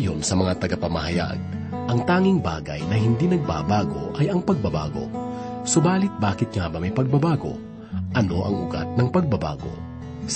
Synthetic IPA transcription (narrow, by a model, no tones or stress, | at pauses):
jonsɐmɐŋat̪ɐɡapɐmɐhɐja̰ɡ̚ | ʔɐŋt̪aːŋɪŋba̰ːɡɐ̰jnɐɦɪnd̪inɐɡ̚ba̰baːɡo̰ʔɐjɐŋpɐɡ̚bɐba̰ːɡo̞̰ | sobaːlɪt̪̚baːkɪt̪̚ŋabɐmɐjpɐɡ̚bɐbaːɡo̰ | ʔɐno̞ʔɐ̰ŋʊ̰ɡa̰t̪̚nɐŋpɐɡ̚bɐba̰ːɡo̰